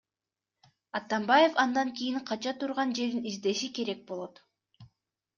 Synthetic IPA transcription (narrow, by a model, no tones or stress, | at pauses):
ɑt̪ɑmbaje̞fɑnd̪ɑŋkʲijiŋqʰɑt͡ʃɑt̪uɾʁɑnd͡ʒe̞ɾd̪inizd̪e̞ʃike̞ɾe̞k̚bo̞lˠo̞t̪